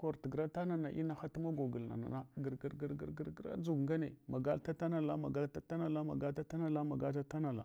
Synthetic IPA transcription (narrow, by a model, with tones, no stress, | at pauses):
ko˨ɾtɡɾa˦ta˦na˨na˨ʔi˦na˨xa˦tu˦ma˦ɡo˨ɡu˨lna̰˨na̰˨na˦ɡə˨ɾɡi˨ɾɡi˨ɾɡə˨ɾɡə˦ɾɡɾa̰˦d͡ʒu˦˨ɡŋɡa˦nḛ˨ma˨ɡa˦lta˦ta˦na˨la˦ma˨ɡa˦lta˦ta˦na˨la˦ma̰˨ɡa˦ta˦ta˦na˨la˦ma˨ɡa˦ta˦ta˦na˨la̰˨